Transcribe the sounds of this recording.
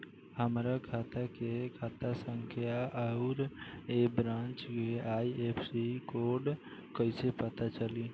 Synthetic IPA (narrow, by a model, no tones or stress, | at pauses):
həmɾakʰat̪akekʰaːt̪asə̃ŋkʰjaʔəʊɾebɾãnt͡ʃkeaiepʰsikoɾɖ | kəɪsepət̪at͡ʃəli